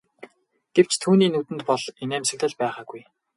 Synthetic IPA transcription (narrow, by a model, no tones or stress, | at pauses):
ɡ̥ew̥t͡ɕt̪ʰuːniːnut̪ɘ̆nt̪pɔɮenæːmsɘ̆kt̪ɘ̆ɮpæːχaːɡuj